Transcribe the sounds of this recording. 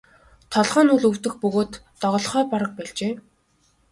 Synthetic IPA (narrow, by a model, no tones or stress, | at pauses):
t̪ʰɔɮʁaːnuːɮɵw̥t̪ɵ̆xpɵɣoːt̪ːɔʁɞ̆ɮχœːpaɾə̆k̚pæːɮt͡ɕeː